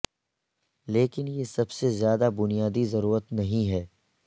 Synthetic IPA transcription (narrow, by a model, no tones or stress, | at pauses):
leːkɪnjesɐbsezjaːd̪abʊnijaːd̪izɐɾuːɾət̪nɐɦĩɦɛː